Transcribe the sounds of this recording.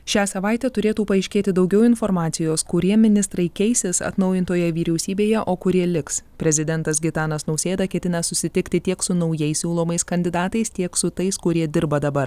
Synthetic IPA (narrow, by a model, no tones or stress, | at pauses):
ʃʲæːsɐʋɑˑɪt̪ʲɛt̪ʊɾʲeːt̪uːpɐɪʃʲkʲeːt̪ʲɪd̪ɒʊɡʲɛʊɪnfɔɾmɑːt̪sʲɪjoːskʊɾʲiɛmʲɪnʲɪst̪ɾɐɪkʲɛɪsʲɪsɐ̰t̪nɒʊjɪnt̪oːjɛʋʲiːɾʲɛʊsʲiːbʲeːjɛʔoːkʊɾʲiɛlʲɪkspʲɾʲɛzʲɪd̪ʲɛnt̪ɐsɡʲɪt̪ɑːnɐsnɐʊsʲeːd̪ɐkʲɛt̪ʲɪnɐsʊsʲɪt̪ʲɪkt̪ʲɪt̪ʲiɛksʊnɒʊjɛɪsʲuːlˠoːmɐɪskɐnʲd̪ʲɪd̪ɑːt̪ɐɪst̪ʲiɛksʊt̪ɐɪskʊɾʲiɛd̪ʲɪɾbɐd̪ɐbɐɾ